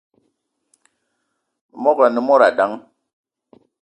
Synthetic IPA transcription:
mɔ˦kɾa˨ni˦mɔ˦ɾa˨da˨˦ŋ

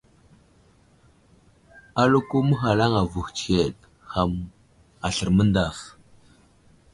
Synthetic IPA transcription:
a˦lu˦ku˦mə˦xa˨la˦ŋa˨vu˨xt͡ʃe˦˨t̚ | xa˨m | a˨ɬə˨ɾmə˦nda˨f

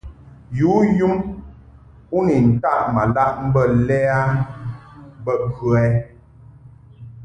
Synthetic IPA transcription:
ju˨˦ju˦m | u˦ni˨n̩˨ta˦˨ʔma˨la˦ʔm̩˦bə˦˨lɛ˦a˦ | m˦bə˦kʉ˦˨ɛ˦

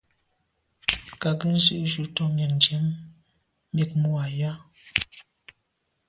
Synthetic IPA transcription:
ka˨ɡə˦n̩˦zɨ˦ʔʒu˦˨tɔ˦mja˨n˨d͡ʒɛ˨˦mː | i˦˨k̚mu˦a˨ja˦

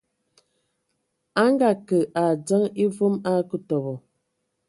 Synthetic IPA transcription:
a˦ŋɡa˨kə˨ʔa˨d͡zə˦ŋi˦vu˦ma˦kə˦tɔ˨bɔ˨

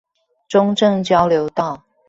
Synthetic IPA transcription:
ʈ͡ʂʊ˦ŋʈ͡ʂə˥˨ŋt͡ɕjɑ˦˥ʊljo˨˧˦ʊt̪ɑ˥˨ʊ

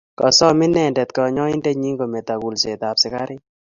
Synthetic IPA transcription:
kɔ˨sɔ˦mɪ˦nɛ˨ndɛ˨t̪kɔ˨ɲɔ˦ɪ˦ndɛ˦ɲi˦ŋɡo˨mɛ˨t̪a˨ku˨lse˨t̪a˨psɪ˦ka˦ɾɪ˦

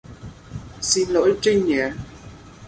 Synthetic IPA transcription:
si˧nlo̰˧˨˥jt͡ɕi˧ŋɲɛ˨˩˦

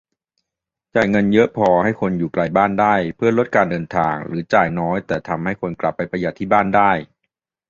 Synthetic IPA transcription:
t͡ɕaː˨˩jŋɤ˧njɤ˦˥ʔpʰɔː˧ha˥˩jkʰo˧njuː˨˩kla˧˩jbaː˥˩ndaː˥˩jpʰɯ˥˩ɐlo˦˥t̪̚kaː˧ndɤː˧nt̪ʰaː˧ŋɾɯ̰ː˩˦t͡ɕaː˨˩jnɔː˦˥jt̪ɛː˨˩t̪ʰa˧mha˥˩jkʰo˧nkla˨˩pːa˧jpɾa˧ja˨˩t̪ʰːiː˥˩baː˥˩ndaː˥˩j

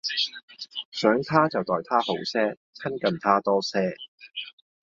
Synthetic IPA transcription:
sœː˨˥ŋt̪ʰaː˥t͡sɐ˨wt̪ɔː˨jt̪ʰaː˥ho˨˥wsɛː˥ | t͡sʰɐ˥nkɐ˨nt̪ʰaː˥t̪ɔː˥sɛː˥

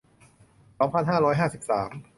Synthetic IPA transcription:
sɔː˩˦ŋpʰa˧nɦaː˥˩ɾɔː˦˥jɦaː˥˩si˨˩p̚saː˩˦m

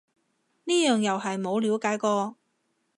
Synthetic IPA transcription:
niː˥jœː˨ŋjɐ˨wɦɐ˨jmo˨˧wliː˨˥wkaː˨˥jkɔː˧

